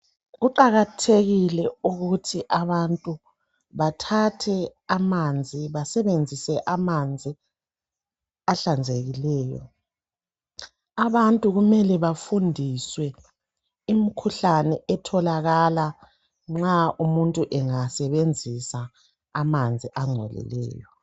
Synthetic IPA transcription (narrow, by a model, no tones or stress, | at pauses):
ɣuǃaɣatʰeɣilɛuɣutʰiʔaβantʼu | βatʰatʰɛamand͡zʱiβasɛβend͡zʱisɛʔamand͡zʱi | aɬand͡zʱeɣilɛːjɔ̰ | aβantʼuɣumɛlɛβafundʱiswɛ | imikʰuɬanɛʔɛtʰɔlaɣala | ŋ͡ǁaʔumuntʼuʔɛŋasɛβend͡zʱisaː | mand͡zʱiʔaŋ͡ǀʱɛ̰lɛ̰lɛ̰ːjɔ